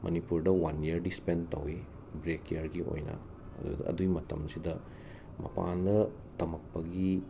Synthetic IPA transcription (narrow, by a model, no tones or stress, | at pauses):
mʔɐ̰nipuɾdɐwɐniɐɾdispentɐ̰wi | bɾekjɐɾɡio̰jnɐ̰ | dṵɐ̰duɡimɐtɐmsidɐ | mɐ̰pa̰ndɐ | tɐmɐk̚pɐɡi